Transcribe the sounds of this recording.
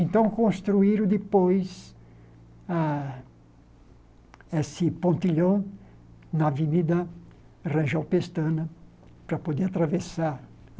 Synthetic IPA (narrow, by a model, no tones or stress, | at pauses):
ẽnt̪ɐ̃w̃kõst̪ɾuiɾʊd̪ɪpojs | a | esɪpõnt̪iʎõ | nɐvinid̪ɐ | rɐ̃ʒawpest̪ɐ̃nɐ | pɾɐpod̪eɾat̪ɾavesaɾ